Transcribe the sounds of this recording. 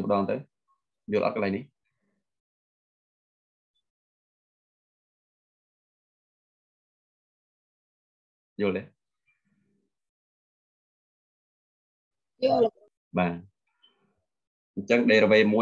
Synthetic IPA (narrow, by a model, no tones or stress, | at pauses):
pə̆ɗɑːnt̪əw | jʊ̆əlʔɑ̰t̪̚kəlaɛjnih | jʊ̆əlt̪eː | julə | ɓaː | ɲt͡ɕəŋɗeːɾəʋeːmuə